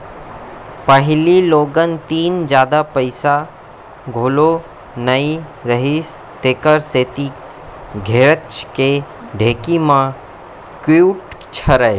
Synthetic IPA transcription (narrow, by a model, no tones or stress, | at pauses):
pəɦɪliloːɡənt̪iːnd͡ʒjaːd̪apəɪsa | ɡʱoːlo | nəiɾəɦis | t̪eːkəɾseːt̪i | ɡʱeːɾət͡ʃke | ɖʱeːkimã | kuːʈt͡ʃʰəɾəe